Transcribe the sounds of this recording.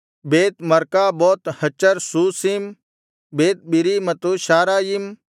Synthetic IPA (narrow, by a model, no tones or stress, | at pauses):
beːt̪mɐɾkaːboːt̪hɐt͡ʃːəɾsuːsiːm | beːt̪̚biɾiːmɐt̪uːʃaːɾaːjim